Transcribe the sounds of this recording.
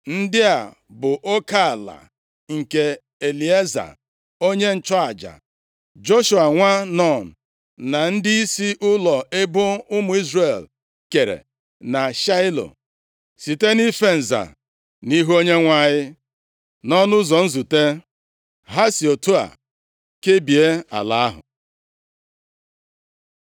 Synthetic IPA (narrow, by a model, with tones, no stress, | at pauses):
n̩˦dɪ˦a˨ | bʊ˨ʔo˦ka˦˨la̰˨ | ŋ̩˨ke˨ | e˨li˨e˦za̰˨ | o˦ɲe˦n̩˨t͡ʃɔ˦a˨d͡ʒa̰˨ | d͡ʒo˦ʃu˨a˨ŋʷa˦nɔ˦˨n̩˨ | na˨n̩˦dɪ˦i˦si˦ʔʊ˦lɔ˨e˦bʊ˦ʊ˦mʊ˨i˦zre˨l | ke˨ɾḛ˨ | na˨ʃa˦ɪ˦lo̰˨ | si˨te˦ni˦fe˦n̩˨za̰˨ | ni˦ɦo˦ɲe˦ŋʷa˦ɲɪ˦ | nɔ˦nʊ˦zɔ˨n̩˦zu˨te˦ | ɦa˦si˨o˨tu˦a̰˨ | ke˦bi˨e˦a̰˨la˦ɦʊ̰˨